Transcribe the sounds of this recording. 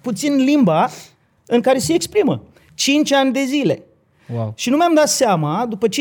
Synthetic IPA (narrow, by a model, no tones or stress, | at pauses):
put̪sinlimba | ɨŋkaɾe̞seːkspɾimə̰ | t͡ʃint͡ʃʲanʲd̪e̞zile̞̰ | wawʃinumeamd̪at̪seamad̪upət͡ʃ